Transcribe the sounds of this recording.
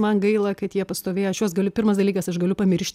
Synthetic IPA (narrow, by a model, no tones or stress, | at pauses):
mɐnɡɐɪlˠɐkɐt̪jiɛpɐst̪oːʋʲeːjɐʃjuɔsɡɐlʲʊpʲɪrmɐsd̪ɐlʲiːkɐsɐʃɡɐlʲʊpɐmʲɪɾʲʃʲt̪ʲ